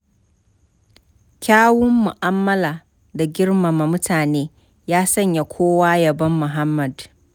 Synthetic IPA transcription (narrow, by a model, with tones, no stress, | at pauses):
kʲaː˦wʊ˦mːʊ˨ʔa˦mːɐ˦laː˨ | da˨ɡʲɪ˦rma˨ma˨mʊ˦tʰaː˨neː˦ | jaː˦sɐ˦˨ɲja˨kʷʰoː˦waː˦jɐ˨bɐ˦mːʊ˨ɦa˦mːɐ˨d